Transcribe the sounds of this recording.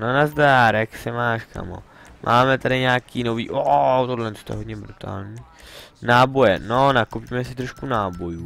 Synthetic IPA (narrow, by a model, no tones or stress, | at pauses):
nonazd̪aaːɾɛksɪmaːʃkʰa̰mo̰ | mʔa̰ːmɛt̪aɾɪɲaːkiːno̞viːʔoʔt̪odlɛnst̪oɛɦodɲɛbɾut̪ʰa̰ːlɲiː | naːbo̞jɛ̰nonakopiːmɛsɪt̪ɾoʃkunaːbo̞juː